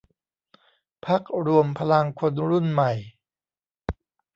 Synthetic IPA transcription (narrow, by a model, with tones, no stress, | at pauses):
pʰa˦˥k̚ɾu˧əmpʰa˧la˧ŋkʰo˧nɾu˥˩nma˨˩j